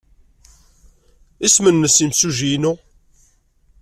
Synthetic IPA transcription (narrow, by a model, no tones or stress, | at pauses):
ismənːəsimsuʒinu